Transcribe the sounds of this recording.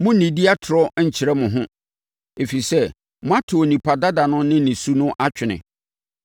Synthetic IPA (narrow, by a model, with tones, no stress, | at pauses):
mʊ̃˦nĩ˨di˦a˦tʰʊ˨ɾɔ˦ɲ̩˨t͡ɕʰɪ˨ɾɛ˦mʊ̃˨ɦʊ̃˦ | e˨fi˨sɛ˦ | mʊ̃˦a˦tʰʊ˨o˨nĩ˨pʰa˨da˦da˨nʊ̃˦nɪ̃˦nɪ̃˨su˦nʊ̃˦ʔa˦t͡ɕᶣʰɪ˨nɪ̰̃˨